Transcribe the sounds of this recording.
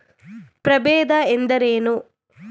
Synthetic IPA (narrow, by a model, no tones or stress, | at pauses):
pɾɐbeːd̪ɐend̪ɐɾeːnu